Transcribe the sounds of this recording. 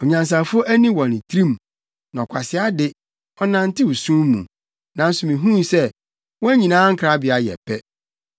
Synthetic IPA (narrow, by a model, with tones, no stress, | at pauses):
ɔ˨ɲã˨ns̬a˨fʊ˦o˦ʔæ˦nĩ˦wɔ̃˨n˨tʰɾĩ˦m | nã˨ɔ˨kʷʰa˨sɪ˨˦a˦dɪ˦ | ɔ˦nã˨n̩˦tɪ˦u˨sũ˦m˦mṵ̃˨ | nã˨n̩˨sʊ˨mĩ˨ɦũ˦n˨sɛ˦ | wɔ̃˦æ˦ɲĩ˨nãː˦ŋ̩˦kʰɾa˦bɪ˨a˨˦jɛ̰˨pʰɛ˦